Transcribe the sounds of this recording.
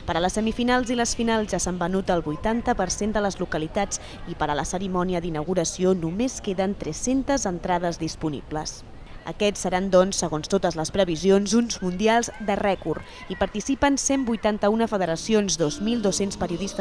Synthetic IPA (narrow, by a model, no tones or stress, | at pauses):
pəɾələsəmifinalˠziləsfinalˠzʒasambənut̪əlˠβujt̪ant̪əpəɾsend̪ələzlukəlit̪at͡s | ipəɾələsəɾimɔniəðinəwɣuɾəsionumeskeðənt̪ɾɛsent̪əzənt̪ɾað̞əzðispunḭblə̰s | ə̰kɛsːəɾand̪ɔnsːəɣonst̪ot̪əzləspɾəβizionzunzmund̪ialˠzd̪ərɛkuɾ | ipəɾt̪isipənsembujt̪ant̪əunəfəðəɾəsionzd̪ozmilˠd̪osenspəɾiuðist̪ə